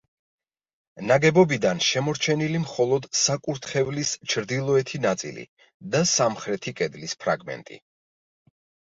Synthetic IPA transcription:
naɡɛbɔbid̪anʃɛmɔɾt͡ʃʰɛnilimχɔlˠɔd̪sakʼuɾt̪ʰχɛvlist͡ʃʰɾd̪ilˠɔɛt̪ʰinat̪sʼḭlḭ | d̪asamχɾɛt̪ʰikʼɛd̪lispʰɾa̰ɡmɛ̰nt̪ʼḭ

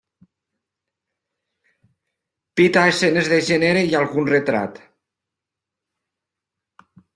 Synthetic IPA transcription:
pit̪aesenezðeʒeneɾeialˠɣunret̪ɾa̰t̪

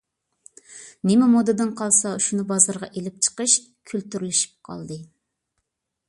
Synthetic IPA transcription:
nɪmɪmod̪ɨd̪ɨnqʰɑlˠsɑʃunɨbɑzɑɾʁɑʔelɪp̚t͡ʃʰə̥qəʃ | kʲʰylt̪yɾlyʃi̥p̚qʰɑ̰lˠd̪ɨ

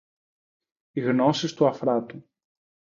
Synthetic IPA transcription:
iɣnosist̪uɐfɾɐt̪u

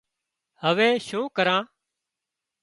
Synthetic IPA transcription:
həʋeːʃũːkəɾãː

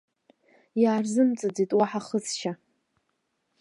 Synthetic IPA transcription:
jaːrzɨmt͡sʼad͡zitʼwaħaχəzʃa

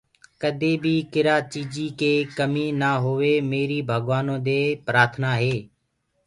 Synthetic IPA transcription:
kəd̪ʱeːbʱiːkɪɾaːt͡ʃiːd͡ʒiːkeːkəmiːnaːɦoʋeːmeːɾiːbʱəɡʋaːnõːd̪eːpɾaːɾt̪ʰnaːɦeː

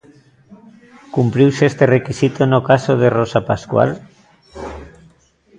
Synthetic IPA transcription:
kumpɾiwsest̪erekisit̪onokasoð̞erosapaskwa̰l

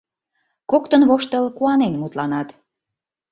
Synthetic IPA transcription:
kokt̪ənβoʃt̪əlkuɑnenmut̪lɑnɑt̪

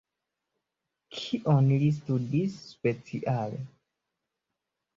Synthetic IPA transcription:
kʰiʔonlis̬tudisːpet͡siʔalḛ

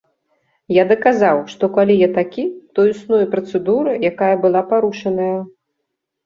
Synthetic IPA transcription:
jad̪ɐkazawʂt̪ɔkalʲijat̪akʲit̪ɔjusnɔjpɾɐt̪sɨd̪uɾɨjakajɐbɨlˠapaɾuʂɐnɐjɐ

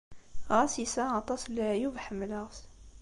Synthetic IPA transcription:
ʁæsisæɑt̪ˤɑslːæjuvħəmːləʁs

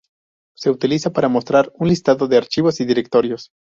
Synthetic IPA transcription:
se̞ut̪ilisapaɾamo̞st̪ɾaɾunlist̪aðo̞ðeaɾt͡ʃiβo̞siðiɾe̞k̚t̪o̞ɾjo̞s

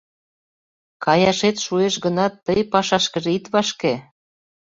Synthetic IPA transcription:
kɑjɑʃet̪ʃueʃɡə̆nɑt̪ːəjpɑʃɑʃkə̆ʒit̪βɑʃke

